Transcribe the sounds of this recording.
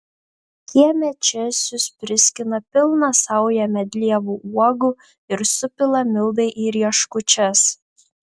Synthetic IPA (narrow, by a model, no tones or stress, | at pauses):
kʲiɛmʲɛt͡ʃʲɛsʲʊspʲɾʲɪsʲkʲɪnɐpʲɪlˠnɐsɐʊjɛmʲɛd̪ʲlʲiɛʋuuɔɡu | ɪɾsʊpʲɪlˠɐmʲɪlˠd̪ɐɪʔiːɾʲiɛʃkʊt͡ʃʲɛs